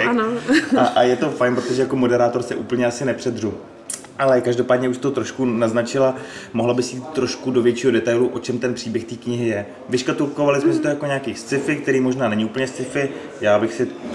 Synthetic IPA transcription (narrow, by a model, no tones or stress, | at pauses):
ɛnaʔajɛt̪o̞fajnpɾo̞t̪oʒɛjako̞mo̞dɛɾaːt̪o̞ɾsɛʔṵːpl̩ɲɛasɪnɛpr̥ɛd̪ru | ʔalɛkaʒdo̞paːdɲɛuʃt̪oot̪ɾoʃkunaznat͡ʃɪlamoɦlabɪsjiːt̪t̪ːɾo̞ʃkudo̞vjɛt͡ʃiːɦodɛt̪ajluʔo̞t͡ʃɛmt̪ɛnpr̥iːbjɛxt̪iːkɲɪɦɪjɛ | vɪʃkat̪ulko̞valɪsmɛsɪt̪oojako̞ɲeakiːst͡sɪfɪk̚t̪ɛɾiːmo̞ʒnaːnɛɲɪuːpl̩ɲɛst̪t͡sɪfɪ | jaːbɪxsɪ